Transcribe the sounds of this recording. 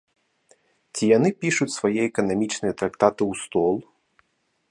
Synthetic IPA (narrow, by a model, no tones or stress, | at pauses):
t͡sʲijanɨpʲiʂut͡sʲsvajɛɛkɐnamʲit͡ʂnɨjɐt̪ɾakt̪at̪ɨwst̪ɔlˠ